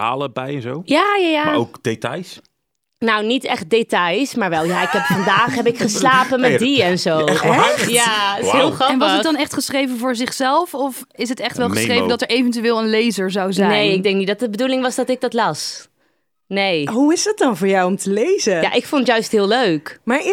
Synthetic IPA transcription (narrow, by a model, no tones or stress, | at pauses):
a̰ːləbɛjɛnzowjaːjaːjaːowkd̥etɑ̰js | nownitɛχt̚detɑjsmaːɹʋɛlˠjaːɪkɦɛpfɑndaːχɦɛbɪkχəslaːpəmɛdiɛnzowjaɦɪlˠχɑnʋɑsədɑnɛχtχəsχrejvənvʊːɹzɪχsɛlˠfɔfɪs̬ɦətɛχtʋɛlˠχəssrejvəndɑtəɹejvɛntyɪːlˠənlejzəɹzawzɛnejɪɡ̚dɛ̃ŋk̚nidɑt̚dəbədulɪŋʋɑzdɑtɪɡ̚dɑtlɑs | nejɦuɪzdɑt̚dɑnvʊːɹjawɔmtʰəlejzəjaːʔɪkfontjœɥstɦɪːlˠløɥkmaːɹɪ